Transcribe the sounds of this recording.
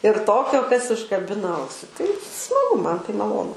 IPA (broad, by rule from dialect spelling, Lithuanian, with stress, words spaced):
ɪr ˈtoːkʲoː kɐs ʊʃkɐˈbʲɪnɐ ˈɐʊsʲɪ tɐɪ smɐˈɡʊ ˈmɐn tɐɪ mɐˈlˠoːnʊ